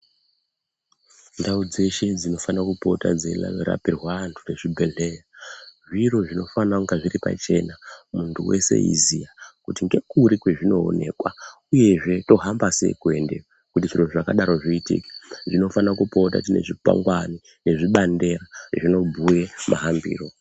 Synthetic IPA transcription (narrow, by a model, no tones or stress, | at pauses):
ndaud͡ze̞ʃe̞d͡zino̞fanakupo̞ta̰d͡zela̰ʋiɾa̰pirwantʰure̞ʐibʱe̞ɮejaʐiro̞ʐino̞fanaŋɡaʐiɾipa̰t͡ʃe̞̰namuntʰuwe̞̰se̞̰ḭzijakutiŋɡe̞kuɾikwe̞ʐino̞̰ːne̞̰kwauje̞ʐe̞to̞ɦambase̞̰ikue̞nde | kutiʐiroʐakaɗaɾo̞ʐiitḭke̥ʐino̞fanakupo̞ta̰tine̞̰ʐipa̰ŋɡwani | ne̞ʐiɓande̞ɾaʐino̞bʱujemʔa̰ɦambḭːro̞